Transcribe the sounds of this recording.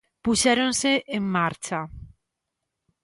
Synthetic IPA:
puʃeɾõnseʔeŋmaɾt͡ʃa

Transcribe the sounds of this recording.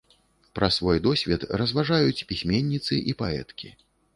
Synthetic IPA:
pɾɐsvɔjd̪ɔsʲvʲɛt̪rɐzvaʐajut͡sʲpʲisʲmʲɛnʲːit̪sɨʔipaɛ̰t̪kʲi

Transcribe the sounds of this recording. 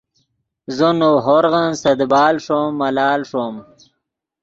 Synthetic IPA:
zonoɦoɾɣansɐd̪baːlʂomːɐlaːlʂom

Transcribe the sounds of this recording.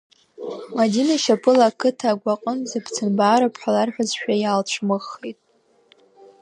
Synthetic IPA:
madinaʃapʰʼɨlakʰɨtʰaːɡʷaqʼənzapʰt͡sʰɨnbaːɾapʰħalarħʷᶣazʃᶣajalt͡ʃʷʰmɨχːejtʼ

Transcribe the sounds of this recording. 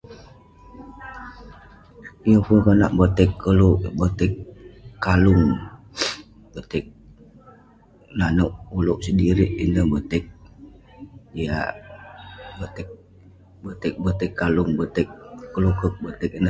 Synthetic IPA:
ijəfəkana̰ʔbət̪ɛkʰːəluʔbət̪ɛkːalʊŋ | bət̪ɛk̚ | nanəʔuloʔsədiɾiʔindəhbət̪ɛk̚ | dia̰ | bət̪ɛk̚ | bət̪ɛk̚bət̪ɪkːalʊŋbət̪ɛk̚ːəlukək̚bət̪ɛk̚inə

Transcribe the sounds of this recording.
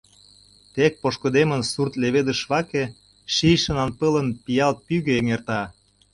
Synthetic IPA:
t̪ek̚poʃkŏd̪emənsurt̪leβed̪əʃβɑke | ʃijʃə̆nɑnpələ̆npijɑlt̪̚pyɣøeŋert̪ɑ

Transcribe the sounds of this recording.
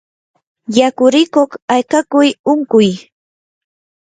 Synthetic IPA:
jakʊɾɪkoχajkakʊjʊŋkʊj

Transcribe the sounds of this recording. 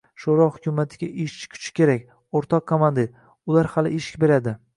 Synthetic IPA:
ʃoɾɒhʊkʲʰʊmat̪ʰɪɡʲaʔɪʃkʲʰʊ̥t͡ʃʰɪ̥kʲe̞ɾakʲ | oɾt̪ʰɒqkːomand̪eɾ | ʊlaɾhalɪʔeʃɪ̥kʲbe̞ɾad̪ɪ

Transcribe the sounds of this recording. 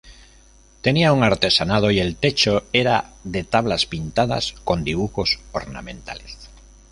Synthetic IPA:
t̪e̞niauŋaɾt̪e̞sanað̞o̞ie̞lt̪e̞t͡ʃo̞e̞ɾaðe̞t̪aβ̞laspint̪aða̰sko̞nd̪iβ̞uxo̞soɾna̰mẽ̞nt̪a̰le̞s

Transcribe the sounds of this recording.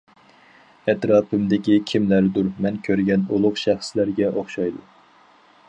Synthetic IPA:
ɛt̪ɾɑːpʰɪmd̪ɪkʲikʲʰimlæɾd̪uɾmɛnkʲʰøɾɡʲɛnulˠʊqʃæχslæɾɡʲɛʔoχʃɑjd̪u

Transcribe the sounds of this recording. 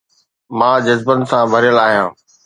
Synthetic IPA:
mãːd͡ʑɐzbənɪ̆sãbʱɐɾjəlaːɦijãː

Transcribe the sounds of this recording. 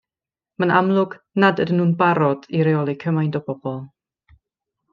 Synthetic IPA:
manamlˠʊɡ | nadədənhuːnbaɾɔd̥iɾɛɔlˠikʰəmajndɔbɔbɔlˠ

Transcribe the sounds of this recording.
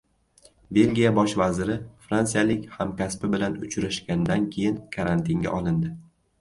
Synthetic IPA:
be̞lɡʲijabɒʃvazɪɾɪfɾansijalɪkʲhamkʲʰaspɪbɪlanʊt͡ʃʰɾaʃɡʲanɪd̪ankʲʰe̞jɪnkʰaɾant̪ʰɪŋɡʲa̰ʔɒlˠɪnd̪ɪ

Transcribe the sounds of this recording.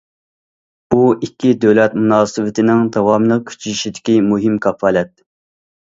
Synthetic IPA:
uikʲːid̪øwlɛt̪munɑːsɨwɪt̪ʰɪnɪŋd̪ɑwɑmlˠəq̚kʲʰy̥t͡ʃʰyiʃid̪ɪkʲimuɦɪmkʰɑfɑːlɛt̪̚

